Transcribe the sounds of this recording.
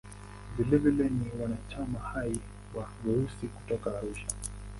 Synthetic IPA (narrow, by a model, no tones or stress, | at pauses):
vilɛvilɛniwanat͡ʃamahai | waɡuɾusiku̥tɔkaːɾuʃa